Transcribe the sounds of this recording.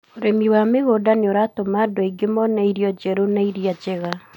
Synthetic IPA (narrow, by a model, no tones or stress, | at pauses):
oɾemiwameɣodaneoɾatomadoiɡemɔnaiɾiɔd͡ʒɛɾonaiɾiad͡ʒɛɣa